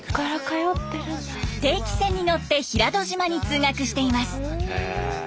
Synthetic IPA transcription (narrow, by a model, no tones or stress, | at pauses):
kaɾakajot̪ːeɾɯ | t̪e̞ːkʲi̥sẽ̞ɲ̟ːino̞t̪ːe̞çiɾad̪o̞ʑimaɲ̟it͡sɨːŋakɯ̟ɕi̥t̪e̞imasɨ̥